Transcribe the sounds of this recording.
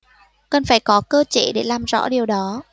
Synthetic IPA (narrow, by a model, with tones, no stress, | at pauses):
kə˨˩nfaː˧˩jkɔ˨˦kəː˧t͡ɕḭ˧˨ɗe˧˩laː˨˩mzɔ̰˧˥ɗi˨˩əwɗɔ˨˦